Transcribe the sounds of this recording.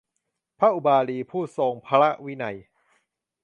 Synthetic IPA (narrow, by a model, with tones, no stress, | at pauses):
pʰa˦˥ʔu˧˩baː˧liː˧pʰuː˥˩so˧ŋpʰa˧ɾa˦˥ʔwi˦˥na̰˧j